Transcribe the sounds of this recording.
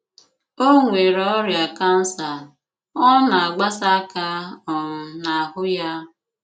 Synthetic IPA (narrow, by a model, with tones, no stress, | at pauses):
o˦ŋʷe˨ɾɔ˦ɾja˨ka˦n̩˦sa˨ | ɔ˦na˨a˨ɡ͡ba˦sa˦ka˦ɔ˨m̩˨na˨a˨ɦʊ˦ja˦